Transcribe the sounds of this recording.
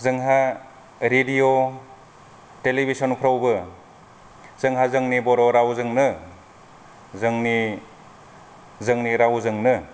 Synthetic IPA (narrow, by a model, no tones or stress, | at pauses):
zɯŋɦa | ɾedio | telibʱisɔnpʰɾawbɯ | z̥ɯŋɦazɯŋnibɔɾɔɾawzɯŋnɯ | zɯŋni | zɯŋniɾawzɯŋnɯ